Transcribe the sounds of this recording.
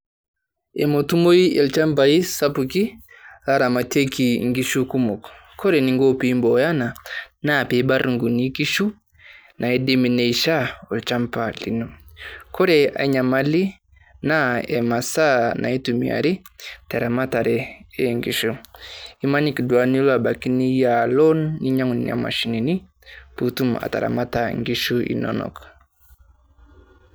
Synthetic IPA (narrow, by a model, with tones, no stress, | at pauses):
ɛmotu˦mo˦i˦ɛ˨lt͡ʃa˦mp̬ai˦sapuki˦ | a˦ɾa˨ma˨te˦ki˨ŋɡi˦ʃu˦ku˦mɔ˨k | kʰɔ˦ɾɛniŋɡo˦pi˨mbɔja˦na˨na˦pɛba˦ɾŋɡu˨ni˦ki˦ʃu˦ | nʔa˨ɛdɛmi˨nɛ˨iʃa˦ɔ˨lt͡ʃampalḭ˨nu˨kɔ˦ɾɛa̰˨ɲa˨mali˦ | na˦ɛ˨ma˨sa˦nʔa̰˨i˦tu˨mḭ˨a̰˨ɾi˦tɛ˨ɾa˨ma˦ta˨ɾɛ˨e˦ŋɡi˨ʃu˦i˦ma˦ni˦kdwa˨ni˦la˨ba˨ki˦ni˦ja˨lɔ˦nːi˦ɲa˦ŋu˨nḭa̰˨ma̰˨ʃi˨ni˨ni˦ | putu˦ma̰˨ta̰ɾa̰˨ma˦ta˨ŋɡi˦ʃu˦ḭ˨nɔ̰nɔ̰˨k